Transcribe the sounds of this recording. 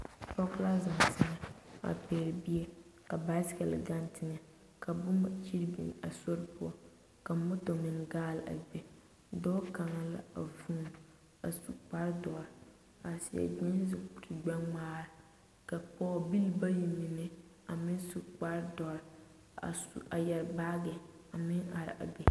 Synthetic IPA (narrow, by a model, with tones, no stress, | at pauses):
pɔ˦kla˦za˨ŋ˨sɪ˦ŋɛ˨a̰˨peː˨ɾbi˦ɛ˦ka˨ba˦skɛ˨l̰ɡa˦n˦tʰɪ˨ŋɛ˨ | kʰa˨bʊ˦m˨t͡ʃi˦ɾbḭ˨n˨a˨so˦ɾpʊ˦ɔ˨ | ka˨mʊ˦to˨mɪ˨n˨ɡaː˦la̰˨bɛ˦ | dɔː˦ka˨ŋa˦la̰˦a˨vuː˦˨m | a˨su˨k͡pa˦ɾdɔ˨ɾ | a˨sɪ˦˨jɛ̰˨dɪ˦n˦zɪ˨u˨ɾi˨ɡ͡ba˦ŋ͡maː˦ɾɪ˨ | ka˨k͡pɔː˦˨bi˦lba˦ji˨mɪ˨nɪ˦ | a˨mɪ˦n˦su˨k͡pa˦ɾdɔ˨ɾ | a̰˨sa˨jɛ˨ɾbaː˦ɡɛ˨ | a˨mɪ˦ŋa˨ɾ̰ʔa̰˨bɛ˨